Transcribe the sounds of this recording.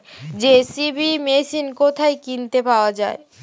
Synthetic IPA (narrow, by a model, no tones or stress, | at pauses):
d͡ʑesibimesinkot̪ʰaekint̪epaoad͡ʑae